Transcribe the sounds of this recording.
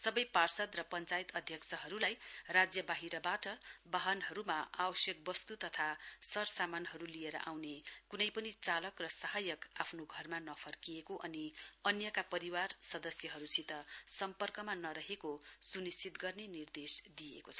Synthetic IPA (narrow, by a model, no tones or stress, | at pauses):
sʌbʌjparsʌd̪rʌpʌnt͡sajt̪ʌd̪ʱjʌksʰʌɦʌɾulajrad͡zjʌbaɦiɾʌbaʈʌbaɦʌnɦʌɾumaawʌsjʌk̚bʌst̪ut̪ʌt̪ʰasʌrsamanɦʌɾulieɾʌ̰ʔawnekunʌjpʌnit͡salʌkrʌsaɦajʌkapʰnoɡʱʌrmanʌpʰʌrkiekoʔʌniʌnjʌkapʌɾiwarsʌd̪ʌsjʌɦʌɾusit̪ʌsʌmpʌrkʌmanʌɾʌɦekosunist͡sit̪ɡʌrnenird̪esd̪ijḛkot͡sʰʌ̥